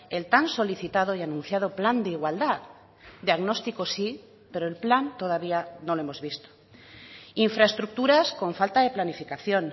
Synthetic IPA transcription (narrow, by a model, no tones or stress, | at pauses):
elt̪anso̞liθit̪að̞ojanũnθjað̞opland̪eiɣwald̪a | d̪jaɣnost̪ikosi | peɾoelplant̪oð̞aβ̞ianoloemozβist̪o̥ | iɱfɾaest̪ɾuk̚t̪uɾasko̞ɱfalt̪aðe̞planifikaθjon